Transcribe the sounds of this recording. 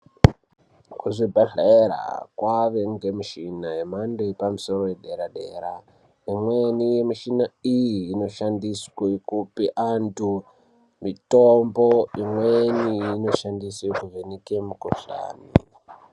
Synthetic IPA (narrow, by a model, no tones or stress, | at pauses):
kuʐibʱaɮaeɾa̰kwaʋe̞ŋɡe̞miʃinajemandeepamuso̞ɾojeɗe̞ɾaɗe̞̰ɾa̰ | imwe̞nije̞miʃinaijiːno̞ʃandiswekupiʔantu | mitombo̞imwenijino̞ʃandisekuvenike̞mukuɬa̰ːni